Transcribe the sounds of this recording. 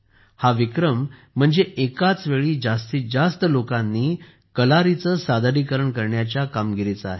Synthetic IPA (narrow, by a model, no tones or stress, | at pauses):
haʋikɾəm̤ː | əɳd͡zeʔekat͡sʋeɭiːd͡zast̪iːd͡zast̪əlokãnːiː | kəlaɾit͡səːsad̪ʱaɾiːkəɾəɳkəɾɳjat͡ɕjakamɡiɾit͡səaɦe